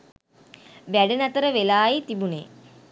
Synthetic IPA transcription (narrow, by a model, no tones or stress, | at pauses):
ʋæɖənæt̪əɾəʋelaːjit̪ibunḛː